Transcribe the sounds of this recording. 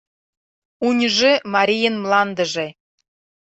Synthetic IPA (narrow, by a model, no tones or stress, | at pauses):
unʲʒĕmɑɾʲijə̆nmlˠɑnd̪ə̆ʒĕ